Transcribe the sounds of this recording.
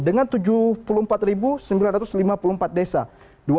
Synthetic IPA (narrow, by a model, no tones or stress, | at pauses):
dəŋant̪ud͡ʒupulʊmpat̪ribusəmbilanrat̪ʊslimapuluhmpat̪̚desa̰ | du